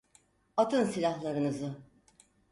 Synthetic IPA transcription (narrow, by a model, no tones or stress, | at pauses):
at̪ʰɯnsilʲahlˠaɾɯnɯzɯ